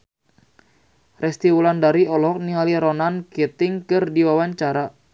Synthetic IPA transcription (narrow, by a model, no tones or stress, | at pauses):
rɛst̪iwulandaɾiɔlɔk̚niŋaliɾɔnanket̪ɪŋkɨrdiwawaɲt͡ʃaɾa